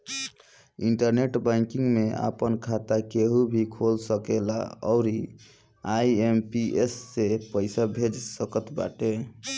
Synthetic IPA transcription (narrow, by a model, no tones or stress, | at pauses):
iɳʈəɾneʈbaŋkiŋɡmea̰pənkʰat̪akeɦubʱikʰolsəkela̰ɔ̰ʊɾi | aiempiesːepəɪsabʱed͡ʒsəkət̪ba̰ʈe